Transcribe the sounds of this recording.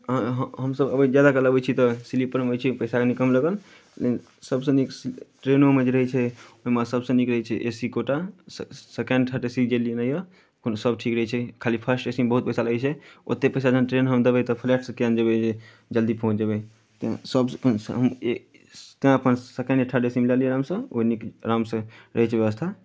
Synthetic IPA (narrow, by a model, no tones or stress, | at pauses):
ɦəɦəɦəmsəbəbid͡ʒjad̪akələbɛt͡ʃʰit̪ɔsilipəɾmeojt͡ʃʰipəɪsakenikəmləɡəl | len | səbsə̃niksʈɾenomed͡ʒeɾəɦɛt͡ʃʰɛoɦimasəbsə̃nikɾəɦɛt͡ʃʰɛʔesikoʈassekə̃ɳɖʈʰəʈesid͡ʒelinəjə | konsəbʈʰikɾəɦɛt͡ʃʰɛkʰalipʰəsʈesimbəɦut̪̚pəɪsalət͡ʃʰɛo̰t̪ːepəɪsad͡ʒənʈɾenɦəmd̪əbɛt̪ɔpʰlɛʈsə̃kejand͡ʒəbɛd͡ʒe | d͡ʒəld̪ipəɦũt͡ʃʰd͡ʒebɛ | t̪ã̰səbnɦəme | t̪ãəpənsekə̃ɳɖʈʰəʈesimilalijeɾamsə̃oinikɾamsə̃ɾəɦɛt͡ʃʰʋeʋəst̪ʰa